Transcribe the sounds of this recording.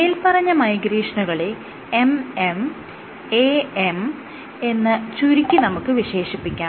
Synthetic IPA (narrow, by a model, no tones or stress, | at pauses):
nejilpɐrɐɲːɐmɐjɡɾiːʂɐɳɐɣɐɭe | emem | eːem | e̞nːɨt͡ɕuɾikʲːɨnɐmukːɨʋiɕe̞ːʂipːikʲːaː